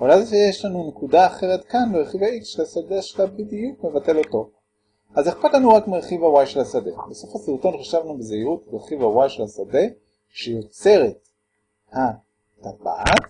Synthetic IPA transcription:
olazeʃejeʃlanune̞kudaːχe̞ʁetkanbeʁeχivaiksʃelasadeʃelabidijukme̞vate̞lo̞to̞ | azeχpatlanuʁakmiʁeχivawajʃe̞lasade̞̰beso̞fhasiʁuto̞nχaʃavnubezeiʁutbeʁeχivawajʃelasade̞ | ʃejot͡se̞ʁe̞t̚ | ha | taba̰t

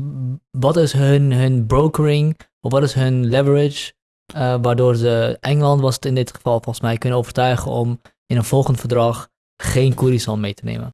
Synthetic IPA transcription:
ʋɑtɪsɦənɦɵnbrowkəɹɪŋ | ɔfʋɑtɪsɦɵnlɛvəɹɪt͡ʃ | əʋaːrdoːɹzəʔɛŋəlɑntʋɑsətɪndɪtχə̥fɑlˠfɔlˠχəsmɛjkɵnənowvəɹtœɥχəɔm | ɪnənv̥ɔlˠχəndfəɹdrɑχ | χeːnkurisɔlˠmejtənḛːmə̰n

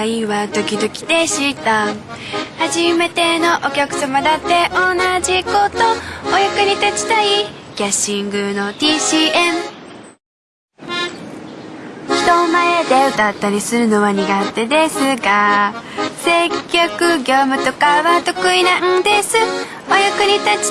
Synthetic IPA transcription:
iβad̪o̞kʲid̪o̞kʲi̥d̪e̞ɕit̪a | haʑime̞t̪e̞no̞ʔokʲakɯ̟̥samad̪at̪ːe̞ʔo̞naʑiko̞t̪o̞ːjakɯ̟ɲ̟it̪at͡ɕi̥t̪aikʲaɕĩŋɡɯ̟no̞t̪iːɕiːem | çʲi̥t̪o̞maed̪e̞ɯ̟t̪at̪ːaɾʲisɨɾɯ̟no̞βaɲ̟iɡat̪e̞d̪e̞sɨɡa | se̞kʲːo̞kɯ̟ɡʲo̞ːmɯ̟t̪o̞kaβat̪o̞kɯ̟inaɯ̃d̪e̞sɨ | ajakɯ̟ɲ̟it̪at͡ɕi̥

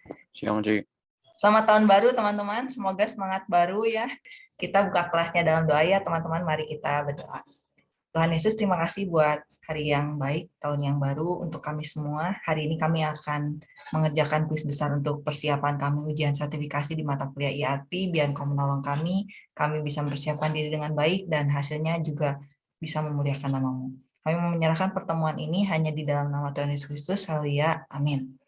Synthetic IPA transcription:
sia̰md͡ʒi | samat̪aʊnbaɾut̪əmant̪əmansəmoɡasəmaŋat̪̚baɾujakit̪abukakəlasɲadalamdoajat̪əmant̪əmanmaɾikit̪abərdoa̰ | t̪uɦanjesʊst̪əɾimakasɪhbuat̪̚haɾijaŋbaɪk̚t̪aʊnjaŋbaɾuṵnt̪ʊkːamisəmuahaɾiːnikamiakanməŋərd͡ʒakanpuɪsbəsaɾunt̪ʊk̚pərsiapankamiud͡ʒiansərt̪ifikasidimat̪akuliaʔiarpibiankamənawaŋkamikamibisaməmbərsiap̚kandiɾidəŋanbaɪk̚danɦasilɲad͡ʒuɡa | bisaməmuliakanːamamu | kamimməɲəɾahkanpərt̪əmuanʔiniɦaɲadidalamnamat̪uɦanjesu̥kɾist̪ʊshalijaːmɪn

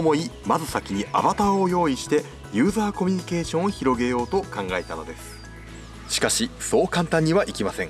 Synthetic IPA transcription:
mo̞imazɨsakʲiɲ̟iʔa̰bat̪aojo̞ːiɕi̥t̪e̞ | jɯ̟ːzaːko̞mʲyɲ̟ike̞ːɕõ̞ɰ̃oçiɾo̞ɡe̞jo̞ːt̪o̞kãŋɡae̞t̪ano̞̰d̪e̞sɨ̥ | ɕi̥kaɕiso̞ːkãnt̪ãɲ̟ːiβaʔikʲimasẽ̞ŋ

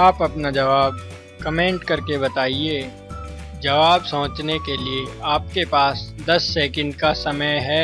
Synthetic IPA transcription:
aːpɐpnad͡ʒɐʋaːb̚ | kɐmẽːɳʈkɐɾkebɐt̪aːie | d͡ʒɐʋaːbsɐʋət͡ʃnekelieaːp̚kepaːsd̪ɐsːɛːkə̃ɳɖkasɐməjɦɛː

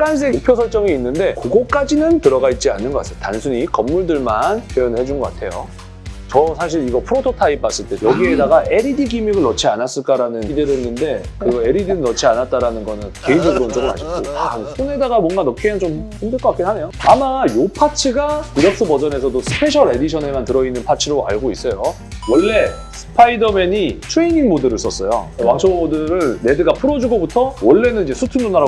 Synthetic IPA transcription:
ɡans̬ʰeok̚pʰjosʰʌɭt͡ɕ͈ʌŋiinːɯnde̞koɡʌk͈ad͡ʑinɯntɯɾʌɡait̚t͡ɕ͈ianːɯnɡʌk͈a̰s͈ejotansʰuɲikʌmːuɭdɯɭmanpʰjojʌnɯɭhɦe̞d͡ʑunɡʌk͈atʰe̞jo | t͡ɕʌsʰaɕ̬ʰiɾiɡʌpʰɯɾotʰotʰaip̚p͈ːas͈ɯɭt͈e̞jʌɡie̞daɡaʔe̞ɾidiɡimiɡɯɭnʌt͡ɕʰianas͈ɯɭk͈aɾanɯndɯɾnːɯnde̞kɯɾiɡʌe̞ɾidiɾɯɭnʌt͡ɕʰianat̚t͈aɾanɯnɡʌnɯnke̞ind͡ʑʌɡɯɾoɯnt͡ɕʌɡɯɾa̰ɕʰik͈otaŋp͈une̞daɡamwʌnɡanʌkʰent͡ɕomhimdɯɭk͈ʌk͈ak͈inɦane̞joamajopʰat͡ɕʰɯɡatɯɾʌk̚s͈ɯbʌd͡ʑʌne̞sʰʌdosʰɯ̥pʰe̞ɕʰʌɾe̞diɕʰʌne̞mantɯɾʌinːɯnpʰat͡ɕʰɯɾoa̰ɭɡois͈ʌjo | wʌɭːe̞ | sʰɯɯ̥pʰaidʌme̞ɲit͡ɕʰeiniŋmodɯɾɯs͈ʌs͈ʌjo̰waŋt͡ɕʰomodɯɾɯɭne̞dɯɡapʰɯɾʌd͡ʑuɡobutʰʌwʌɭːe̞nɯnid͡ʑe̞sʰutʰɯŋonaɾa

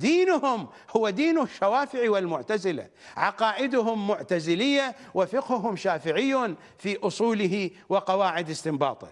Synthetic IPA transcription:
d̪iːnʊhʊm | hʊwːad̪iːnʊʃːawaːfɪʕiwɪlmʊʕt̪azɪla̰ | ʕɑqɑːʔɪd̪ʊɦʊmːʊʕt̪azɪlɪjːa | wɪfɪqhʊɦʊmʃaːfɪʕɪjːan | fiʔʊsˤuːlɪɦi | wɪqɑwaːʕɪd̪ɪst̪ɪmbɑ̰ːt̪ˤɑ

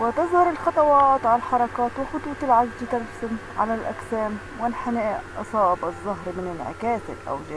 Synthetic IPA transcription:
wɪt̪ɪzˤhɑɾˤɪlxɑt̪ˤɑwɑːt̪ˤʕalħɑɾˤɑkɑːt̪wɪxʊt̪ˤuːt̪ˤɪlʕazd͡ʒ̪ɪt̪alfsɪmʕalalʔa̰ksæːm | wɪlħanæːʔʔʔɑsˤɑːʔbʔɨzˤːʊɦɾmɪnɪnʕɪ̰kæːθɪ̰lʔa̰wl

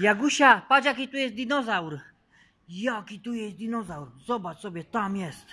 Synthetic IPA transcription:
jaɡuʃapad͡ʒakit̪ujɛsd̪inɔzauɾ | jakit̪ujɛsd̪inɔzauɾzɔbat͡sɔbjɛt̪amjɛst̪

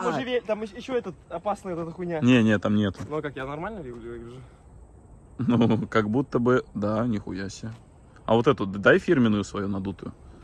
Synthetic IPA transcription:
oɪvʲet̪amɪjɪɕːoɛt̪ət̪ɐpasnɨot̪ɛt̪əxʊnʲanʲenʲet̪ːamnʲet̪ʊnokakjanɐrmalʲnəvʲiɡlʲɪɡʲʐɨ | nukɐɡbut̪ːəbɨd̪anʲɪxʊjasʲə | ɐ̰vot̪ɛt̪ʊd̪ajfʲirmʲɪnʊjʊsvɐjunɐd̪ut̪ʊjʊ̰

